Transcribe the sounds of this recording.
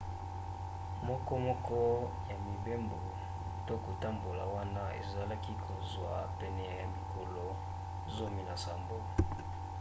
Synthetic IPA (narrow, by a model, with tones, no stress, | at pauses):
mɔ˦kɔ˦mɔ˦kɔ˦ja˨mi˨be˦mbo˨ | to˦ko˨ta˦mbo˨la˨wa˦na˦ḛ˨za˨la˦ki˦kʰo˨zwa˨pɛ˨nɛ˨ja˨mi˨kʰo˨lo˨ | zo˦mi˨na˨sa˨mbo˦